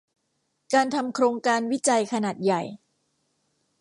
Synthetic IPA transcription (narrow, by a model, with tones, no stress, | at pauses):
kaː˧nt̪ʰa˧mkʰɾoː˧ŋkaː˧nwi˦˥t͡ɕa˧jkʰa˧naː˨˩t̪̚ja˨˩j